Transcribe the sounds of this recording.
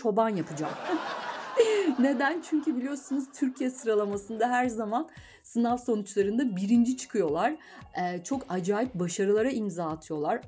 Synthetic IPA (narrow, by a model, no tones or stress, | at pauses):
o̞banjapʰɯd͡ʒa̰m | ne̞d̪ænt͡ʃʰyɲcybilʲijo̞sunuz̥t̪ʰyɾcʰijɛsɯɾalˠamasɯnd̪aɦæɾzaman | sɯnafso̞nut͡ʃlˠaɾɯnd̪abiɾind͡ʒit͡ʃʰɯ̥kʰɯjo̞lˠaɾ̥ | ɛːt͡ʃʰo̞kad͡ʒaːjip̚baʃaɾɯlˠaɾaimzaːt̪ʰɯjo̞lˠaɾ